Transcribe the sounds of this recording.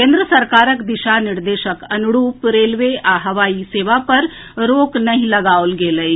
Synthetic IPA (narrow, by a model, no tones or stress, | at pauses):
kẽːnd̪ɾəsɐɾkaːɾəkd̪ɪʃanɪɾd̪eːʃəkɐnʊɽuːpɾeːlʋeʔaːɦəʋaːiseːʋapɐɾ | ɾoːknɐɦĩlɐɡaːolɡeːləi